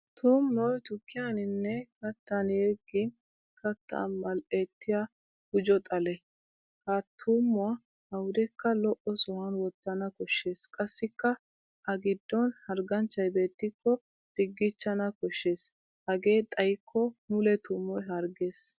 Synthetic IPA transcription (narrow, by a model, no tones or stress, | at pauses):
t̪uːmːɔjt̪ʊkːɪjanɪnːɛkɐt̪ːɐnjeɡɪn | kɐt̪ːa̰mɐlʔeːt̪ːɪja | ɡ̥ʊd͡ʒɔt̪ʼɐlɛ | kaːt̪ʰːuːmːʊa | ɐwʊd̪ɛkːɐlɔʔɔsɔhɐnwɔt̪ːɐnɐkɔʃːe̞ːskʼɐsːɪkːɐ | ʔɐɡɪd̪ːɔnhɐɾɡɐnt͡ʃːɐjbe̞ːt̪ːɪkːɔ | d̪̥ɪɡːɪt͡ʃːɐnɐkɔʃːe̞ːs | hɐɡe̞ːt̪ʼɐjkʰːɔmʊlɛt̪uːmːɔjɦɐɾɡe̞ːs